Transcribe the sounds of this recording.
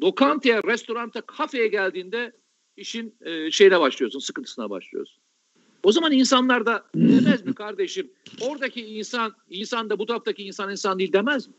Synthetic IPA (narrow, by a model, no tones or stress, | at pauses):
d̪o̞kʰant̪ʰejɛɾɛst̪o̞ɾant̪ʰakʰafe̞jɛɟælʲd̪iːnd̪ɛ | iʃinːʃe̞jinɛbaʃlˠɯjo̞sunsɯ̥kɯnt̪ʰɯ̥sɯna̰ba̰ʃlˠɯ̰jo̰su̥n | o̞zamaninsanlˠaɾd̪ad̪emæzmikʰaɾd̪e̞ʃim | o̞ɾd̪acʰiːnsan | insand̪abut̪ʰaft̪aciːnsaninsand̪ilʲd̪emæzmɪ